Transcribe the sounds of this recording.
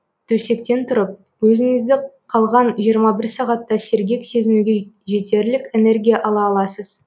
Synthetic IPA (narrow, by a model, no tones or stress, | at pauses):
t̪ʰɵse̞kt̪e̞nt̪ʰʊɾəp̚ | wɵzɪŋɪzd̪ɪqʰɑlˠʁɑnʒijəɾmɑbɪɾsɑʁɑt̪ːɑse̞ɾɡʲe̞kse̞zɪnuɡʲe̞ʒe̞t̪e̞ɾlɪkʲe̞ne̞ɾɡʲijaʔɑlˠɑːlˠɑsəz̥